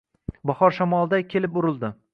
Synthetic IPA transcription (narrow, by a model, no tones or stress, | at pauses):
bɒhɒɾʃamɒlˠd̪akʲʰe̞lɪp̚ʊɾɪlˠd̪ɪ